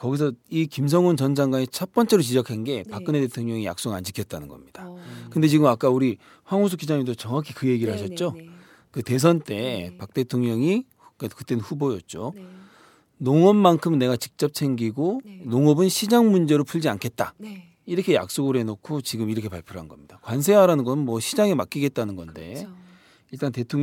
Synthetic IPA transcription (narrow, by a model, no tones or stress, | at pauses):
kʌɡis̬ʰʌikimsʰʌŋunt͡ɕʌnd͡ʑaŋɡwaɲet͡ɕʰʌp͈ʌnt͡ɕ͈e̞ɾot͡ɕid͡ʑʌkʰanɡe̞pak͈ɯnede̞tʰoŋɲʌŋija̰ks͈oɡa̰nd͡ʑikʰjʌt̚t͈anɯnɡʌmɲidakɯnde̞t͡ɕiɡɯmak͈auɾi | ɸwaŋos̬ʰuk͈id͡ʑaŋimitot͡ɕʌŋakʰikɯje̞ɡiɾɯɭhaɕʰʌt̚t͡ɕ͈o | kɯte̞s̬ʰʌnt͈e̞pak̚t͈e̞tʰoŋɲʌŋi | kakɯt͈enɯnɸubojʌ̰t̚t͡ɕ͈o | noŋʌmːankʰɯmnːe̞ɡat͡ɕik̚t͡ɕ͈ʌp̚sʰe̞ŋɡiɡonoŋʌbɯnɕʰid͡ʑaŋmund͡ʑe̞ɾopʰuɭd͡ʑiankʰe̞t̚t͈a | iɾʌkʰe̞ja̰k̚s͈oɡɯɾɦe̞nokʰot͡ɕiɡɯmiɾʌkʰe̞paɭpʰjuɾɦanɡʌmɲid̥akwans̬ʰe̞ɦaɾanɯnɡʌnɯnmwʌɕʰid͡ʑaŋemak͈̚iɡe̞t̚t͈anɯnɡʌnde̞̰ | iɭt͈ante̞tʰoŋ